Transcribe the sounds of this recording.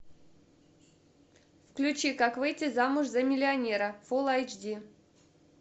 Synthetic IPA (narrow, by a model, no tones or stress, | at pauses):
fklʲʉt͡ɕikakvɨjtʲɪzamʊʐzɐmʲɪlʲɪɐnʲeɾəfolˠajd͡ʒdʲi